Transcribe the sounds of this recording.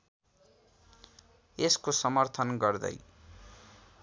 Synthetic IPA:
eskosʌmʌrt̪ʰʌnɡʌrd̪ʌ̰j

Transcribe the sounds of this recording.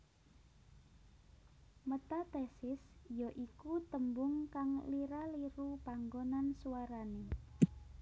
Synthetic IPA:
mət̪at̪ɛsɪsjɔʔikut̪əmbʊŋkaŋliɾaliɾupaŋɡonansuwaɾane

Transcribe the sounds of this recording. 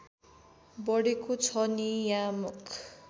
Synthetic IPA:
bʌɽekot͡sʰʌnijãmukʰ

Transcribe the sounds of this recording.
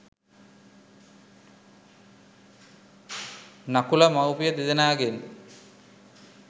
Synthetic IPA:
nakulamawpijəd̪ed̪enaːɡen

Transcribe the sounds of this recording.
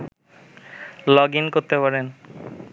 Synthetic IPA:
lɔɡinkoɾt̪epaɾen

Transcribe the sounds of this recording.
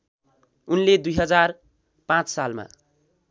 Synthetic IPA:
unled̪ujɦʌd͡zar | pãt͡ssalma̰

